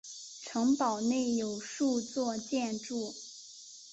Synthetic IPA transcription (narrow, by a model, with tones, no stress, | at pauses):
ʈ͡ʂʰɤ˧˥ŋpɑ˨˩ʊne˥˩ɪjo˨˩ʊʂu˥˧t͡swɔ˥˧t͡ɕjɛ˥˧nʈ͡ʂu˥˩